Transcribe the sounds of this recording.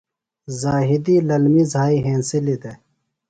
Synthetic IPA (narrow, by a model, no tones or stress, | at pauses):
zaːɦid̪ilɐlmizʱaːiɦẽːnsilid̪e